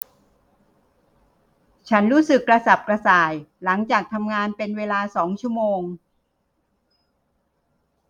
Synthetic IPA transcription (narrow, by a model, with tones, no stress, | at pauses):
t͡ɕʰa˦˥nɾuː˦˥sɯ˨˩kːɾa˧sa˨˩p̚kɾa˧saː˨˩jla˩˦ŋt͡ɕaː˨˩k̚t̪ʰa˧mŋaː˧npe˧nweː˧laː˧sɔː˩˦ŋt͡ɕʰu˦˥əmoː˧ŋ